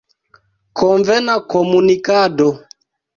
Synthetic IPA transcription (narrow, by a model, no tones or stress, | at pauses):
kɔɱvɛnakɔmunikadɔ